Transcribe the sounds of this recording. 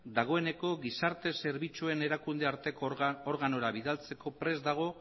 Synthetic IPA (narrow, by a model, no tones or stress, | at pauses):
d̪aɣ̞o̞e̞ne̞ko̞ɣisaɾt̪e̞se̞ɾβit͡sue̞ne̞ɾakund̪e̞aɾt̪e̞koɾɣano̞ɾaβiðalt͡se̞ko̞pɾe̞zd̪aɣ̞o̞